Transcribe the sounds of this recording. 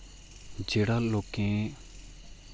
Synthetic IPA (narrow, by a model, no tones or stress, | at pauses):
d͡ʒeːɽaːloːkẽː